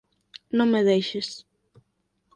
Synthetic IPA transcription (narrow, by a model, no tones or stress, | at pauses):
nõŋmeðejʃɪs